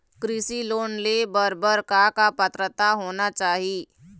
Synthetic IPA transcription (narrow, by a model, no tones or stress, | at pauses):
kɾɪsiloːnlebəɾbəɾkakapət̪ɾət̪aɦoːnat͡ʃaːɦi